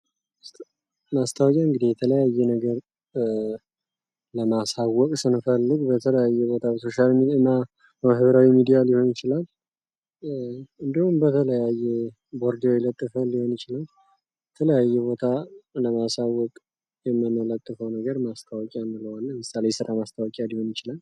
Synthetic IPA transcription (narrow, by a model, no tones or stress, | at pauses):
mast̪ʰəwɔkʼaɨŋɡɨd̪ejɛt̪ʰələjajːɛnəɡəɾ | ləmasawːɔkʼsɨnfəlːɨɡbət̪ʰələjajːɛbo̞t̪ʰabəso̞ʃalmiɨnːa | mahɨβɾawimid̪ijaliho̞njɪt͡ʃɪlal | ɨnd̪ihumbət̪ʰələjajːɛ | boɾd̪elət̪ʼːɨfəlːiho̞nɪt͡ʃɪlal | jɛt̪ʰələjajːɛbo̞t̪ʰaləmasawːɔkʼ | jɛmːɨmələt̪ʼːɨfəwnəɡəɾmast̪ʰəwɔkʼijamːɨləwalːəmɨsalesɨɾʔamast̪ʰəwɔkʼialiho̞njɪt͡ʃɪlal